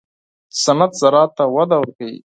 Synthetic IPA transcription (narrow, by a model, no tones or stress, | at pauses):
sɐnat̪zɐɾɑːt̪ːawɐd̪awəɾkaḭ